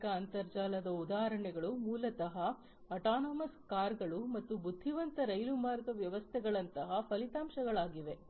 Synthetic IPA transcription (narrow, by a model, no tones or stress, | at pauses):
kɐːnt̪ɐɾd͡ʒaːlɐd̪ɐud̪aːɦɐɾɐɳɛɡɐɭumuːlɐt̪ɐɦɐ | ɐʈaːnoːmɐskaːɾɡɐɭumɐt̪ːubud̪ʱːiʋɐnt̪ɐɾɐjlumaːɾɐd̪ɐʋjɐʋɐst̪ʰɛɡɐɭɐnt̪ɐɦɐpʰɐlit̪aːmʃɐɡɐɭaːɡiʋe